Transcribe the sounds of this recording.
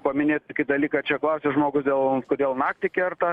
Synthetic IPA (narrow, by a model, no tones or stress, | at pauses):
pɐmʲɪnʲeːt̪kʲɪd̪ɐlʲiːkɐt͡ʃʲɛklˠɑːsʲeːʒmoːɡʊsd̪ʲeːlˠkʊd̪ʲeːlˠnɑːkt̪ʲɪkʲɛrt̪ɐ